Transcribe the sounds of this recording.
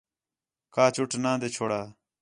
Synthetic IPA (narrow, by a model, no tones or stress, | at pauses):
kaːt͡ʃuʈʰnãːd̪et͡ʃʰoːɽaː